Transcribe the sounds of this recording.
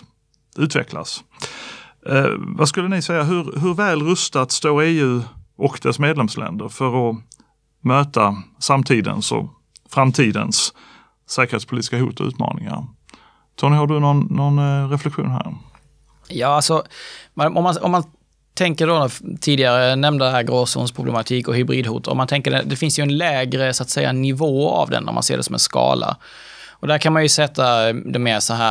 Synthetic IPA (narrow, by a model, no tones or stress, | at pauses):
ʉ̟ːt̪vɛ̰kʰla̰s | vaskɵlːənɪsɛjːaɦɵɾɦɵɾvɛːlɾɵst̪at̪st̪oːɾeːʉ̟ːɔkd̪ɛsmeːd̪lɛmslʔɛ̰nd̪əɾfœɾɔ | møːt̪asamt̪ʰiːd̪ə̰nsɔ̰ | fɾamt̪ʰiːd̪ə̰ns | sɛːkəɾet̪spʊliːt̪ɪskaɦuːt̪ɔʉ̟ːt̪mɑ̰ːnɪŋa̰ɾ | t̪ʰɔːɳɪhaɖɵnɔnːɔnɾɛflɛkɧuːnɦæ̰ɾ | jɑːalsɔmaʔɔmːanɔmːan | t̪ʰɛŋkəɖont̪ʰiːd̪ɪaɾənɛmnd̪əd̪ɛɦæːɾɡɾoːsṵːnspʰɾʊblɛ̰mat̪ʰiːkɔɦʏbɾiːd̪huːt̪əɾɔ̰mant̪ʰɛŋkəɖɛd̪ɛfɪnsjɵɛnlɛːɡɾəsat̪sɛjːa̰nɪvoːa̰vd̪ɛ̰nːæ̰ɾma̰nseːɖɛsɔmɛ̰nskɑ̰ːlʔa̰ | ʔɔd̪æːɾkʰanmanjɵsɛt̪ʰːad̪ɔmeːsɔɦæː